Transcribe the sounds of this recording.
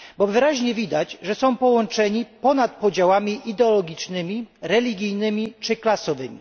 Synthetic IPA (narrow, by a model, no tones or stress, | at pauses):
bɔvɘɾaʑɲɛvʲid̪ad͡ʑʐɛsɔ̃w̃pɔwɔnt͡ʂɛɲipɔnat̪̚pɔd͡ʑawamʲiʔid̪ɛɔlɔɡʲit͡ʂnɘmʲiɾɛlʲiɡʲijnɘmʲit͡ʂɘklasɔvɘmʲḭ